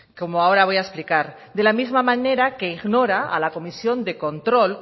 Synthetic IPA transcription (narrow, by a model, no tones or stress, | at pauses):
ko̞moao̞ɾaβ̞o̞jaesplikaɾ | d̪e̞lamizmamãne̞ɾake̞iɣno̞ɾaalako̞misjo̞nd̪e̞ko̞nt̪ɾo̞l